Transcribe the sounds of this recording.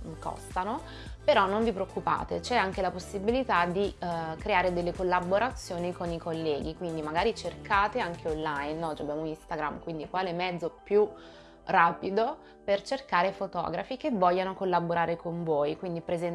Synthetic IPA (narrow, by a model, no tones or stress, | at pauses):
kʰɔ̰st̪ano | peɾɔnːoɱvipɾeokːupa̰ːt̪ḛt͡ʃɛaŋkelaposːibilit̪ad̪ikɾeaːɾed̪elːekolːaboɾat̪sːjoːnikonikolːɛːɡikwind̪imaɡaːɾit͡ʃerkaːt̪eaŋkʰeonlajinːɔt͡ʃabjaːmunist̪aɡɾa̰mkwind̪ikwaːlemɛd̪zːopju | raːpid̪o | pert͡ʃerkaːɾefot̪ɔ̰ːɡɾa̰fikevːɔʎːanokolːaboɾaːɾekoɱvoːjkwind̪ipɾezɛn